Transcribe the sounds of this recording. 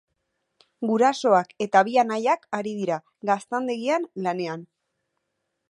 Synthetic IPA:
ɡuɾaso̞ake̞t̪aβianajakaɾið̞iɾa | ɡast̪and̪eɣianlane̞an

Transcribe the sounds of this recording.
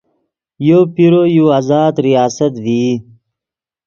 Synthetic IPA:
joːpiɾojuaːzaːd̪ɾijaːsət̪vi

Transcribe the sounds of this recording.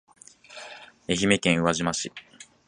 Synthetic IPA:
e̞çime̞kẽ̞ɰ̃ɯ̟βaʑimaɕi

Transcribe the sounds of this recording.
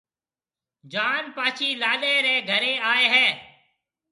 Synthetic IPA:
d͡ʒaːnpaːt͡ʃʰiːlaːɗeːɾeːɡʱəɾẽːaːeːɦɛː

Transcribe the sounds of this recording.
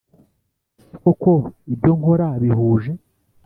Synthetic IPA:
kokoibɟo̞ŋho̞ɾaβihuːʒe̞

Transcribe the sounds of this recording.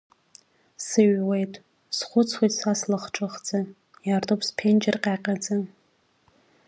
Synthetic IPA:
sɨɥwejtʼ | sχʷʊt͡sʰwejtʼsaslɨχʈ͡ʂʼɨχd͡zʼɨ | jartʼopʰspʰend͡ʒʼɪrqʲʼaːqʲʼad͡zɨ

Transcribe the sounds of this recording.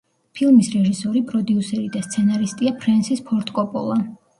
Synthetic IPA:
pʰilˠmisɾɛʒisɔɾipʼɾɔd̪iusɛɾid̪ast̪sʰɛnaɾist̪ʼiapʰɾɛnsispʰɔɾt̪ʰʼkʼɔpʼɔ̰lˠa

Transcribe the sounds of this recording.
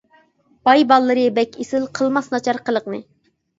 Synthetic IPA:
bɑjbɑlˠːɨɾɨbɛkʲesɪlˠqʰəlˠmɑsnɑt͡ʃʰɑɾqəlˠəqnɨ

